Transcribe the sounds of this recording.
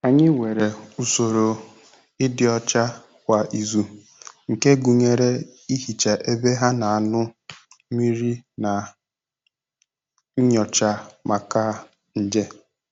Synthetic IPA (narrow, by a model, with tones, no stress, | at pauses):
a˨ɲɪ˦we˨ɾe˨u˨so˨ɾo˨ | ɪ˦dɪ˨ɔ˨t͡ʃa˦ | kʷa˨ʔi˨zu˨ | ŋ̩˨ke˦ɡu˨ɲe˨ɾe˦i˦ɦi˨t͡ʃa˨ʔe˦be˦ɦa˦na˨a˨nʊ˦ | mi˦ɾi˦na˨˦ | ɲɔ˨t͡ʃa˦ma˨ka˦˨ | n̩˨d͡ʒe˦